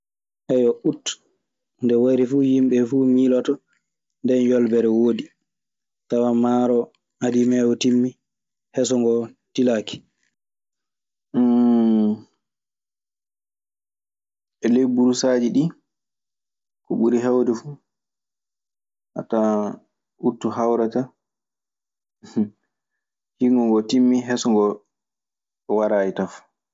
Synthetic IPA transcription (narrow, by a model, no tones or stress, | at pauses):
ʔɛjɔʔut | ndɛwaɾifujimɓɛfumilɔtɔ | ndɛnjɔlbɛɾɛwodi | tawamaːɾɔ | adimɛwɔtimːi | hɛs̬ɔŋɡɔtilaːki̥ | ɛlejbuɾusaːd͡ʒiɗi | kɔɓuɾiɦɛwdɛfu | a̰ta | ʔutːuɦawɾata | hiŋɡɔŋɡɔtimːiɦɛsɔŋɡɔ | waɾaːjitaf